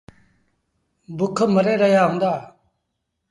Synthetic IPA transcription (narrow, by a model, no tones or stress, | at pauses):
bʊkʰːəməɾeːɾəjaːɦʊ̃ːnd̪aː